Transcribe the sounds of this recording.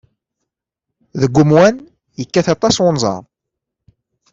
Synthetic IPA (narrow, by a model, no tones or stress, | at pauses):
ðəɡʷːʊmwæn | jəkːæθɑt̪ˤɑswʊnzˤɑ̰ɾˤ